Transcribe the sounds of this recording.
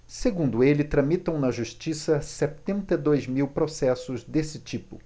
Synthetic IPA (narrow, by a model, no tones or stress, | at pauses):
seɡũnd̪ʊelɪt̪ɾɐ̃mit̪ɐ̃w̃nɐʒuʃt͡ʃisɐsɛt̪ẽnt̪ɐd̪ojzmiwpɾosɛsʊzd̪esɪt͡ʃipʊ̰